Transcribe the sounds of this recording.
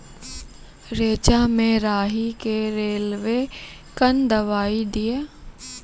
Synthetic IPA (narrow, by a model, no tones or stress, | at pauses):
ɾeːt͡ʃamẽɾaːɦikeɾeːlʋe | kənd̪ɐʋaːid̪ijaː